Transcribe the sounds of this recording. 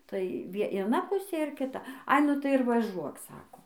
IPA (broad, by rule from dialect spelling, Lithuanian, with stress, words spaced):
tɐɪ ʋʲiɛ iɛˈnɐ ˈpʊsʲeː ɪr kʲɪˈtɐ ɐɪ ˈnʊ tɐɪ ɪr ʋɐˈʒuɔk ˈsɑːkoː